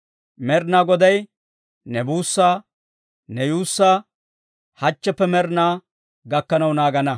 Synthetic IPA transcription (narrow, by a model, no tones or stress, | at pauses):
mɛɾnaːɡɔd̪ɐj | nɛbuːsːaː | nɛjuːsːaː | hɐt͡ʃːɛpːɛmɛɾnaː | ɡɐkːɐnɐwnaːɡɐnɐ